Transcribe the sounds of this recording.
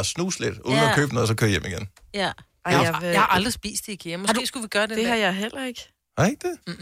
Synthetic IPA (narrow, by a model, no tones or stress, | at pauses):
snṵːsled̥uððˠn̩ɐkʰøːb̥ənɔ̽ːð̩ˠsɒ̽kʰːijem̰iɡ̥en | hɑʔɑ̈ld̥ʁisb̥ḭːsd̥iɡ̥emɑd̥usɡ̥uʋɡ̥ɶːɐd̥ed̥e̝hɑ̈jɑ̈ɪɦel̰ʔɐe̝ɡ̥ | hɑeɡ̥̚d̥e̝